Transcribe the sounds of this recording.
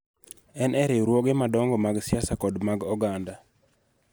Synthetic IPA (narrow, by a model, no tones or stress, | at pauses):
ɛnʔɛɾeɾwoɡemadɔŋɡɔmaɡsjasakɔdmaɡɔɡanda